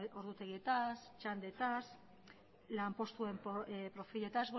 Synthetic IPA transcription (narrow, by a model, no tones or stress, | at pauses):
oɾðut̪eɣet̪ast͡ʃand̪et̪as | lampo̞st̪uempoepɾofiʎet̪azβo